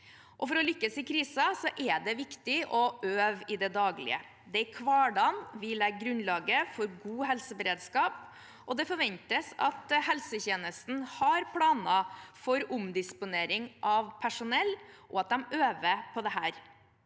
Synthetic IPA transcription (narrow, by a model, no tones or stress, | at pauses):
ʔɔfɔɾɔlʏkːəsɪkʰɾiːsɑsɔʔɛɖ̪ɛʋɪkt̪ɪʔɔʔøːʋɪd̪ɛd̪ɑːɡlɪ̰ə̰ | d̪ɛækʰʋɑːɖɑnʋɪlɛɡɡɾʉnlɑːɡəfɔɾɡuːɦɛlsəbəɾeːd̪skɑːp | ʔɔd̪ɛfɔɾʋɛnt̪əsɑ̰t̪hɛlsəçeːnəst̪n̩hɑɾpʰlɑːnɑfɔɾʊmd̪ɪspʊneːɾɪŋʔɑʋpʰæʂʊnɛlːʔɔɑt̪̚d̪ɛmøːʋəpʰɔd̪ɛɦæːɾ